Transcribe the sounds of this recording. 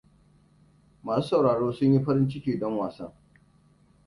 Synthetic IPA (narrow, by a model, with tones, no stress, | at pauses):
maː˨suː˦sa˨wɽaː˨ɽoː˦sʊ˦ɲji˦ɸɐ˦ɾɪ˦nt͡ʃɪ˦kʲiː˨dɔ˦ŋwaː˨sɐ˦ŋ